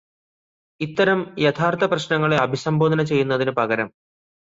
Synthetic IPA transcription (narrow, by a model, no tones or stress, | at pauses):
it̪ːɐɾɐmjet̪ʰaːrt̪ʰɐprɐɕnɐŋːɐɭeɐbʱisɐmboːd̪ʱɐnɐt͡ɕe̞jːun̪ːɐðinɨpɐɣɐɾɐm